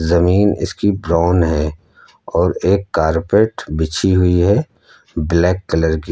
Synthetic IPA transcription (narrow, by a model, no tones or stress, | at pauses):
zɐmiːnɪ̰skibɾaːnɦɛ | ɔːɾeːkːaːɾpeːʈbɪt͡ʃʰiɦʊiɦɛ | blɛːkːɐləɾɡi